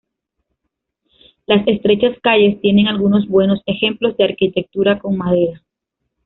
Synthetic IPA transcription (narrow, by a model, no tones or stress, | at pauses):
lase̞st̪ɾe̞t͡ʃaskaʝe̞st̪je̞ne̞ŋalɣuno̞zbwe̞no̞se̞xe̞mplo̞zd̪e̞aɾkit̪e̞k̚t̪uɾako̞ŋmaðe̞ɾa